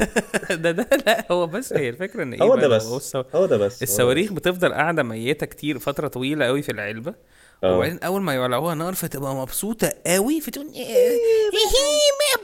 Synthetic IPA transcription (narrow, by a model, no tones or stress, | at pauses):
d̪æd̪ælæʔhowːæbæsːæjelfekɾæʔenːeʔeoːwːæmæd̪æshowæsːææhowːæd̪ææsːʔesːæwæːɾiːxbet̪efd̪ˤɑlʔaʕd̪æmæjːet̪ækt̪ʰiːɾfɑt̪ɾˤɑt̪ˤɑwiːlæʔæwifilʕelbæ̰ | aʕd̪eːnʔæwːælmæjoʕlːæʕuːhænɑʔɑɾˤft̪ebʔæmɑbsˤuːt̪ˤɑʔæwifit̪uːn | himæ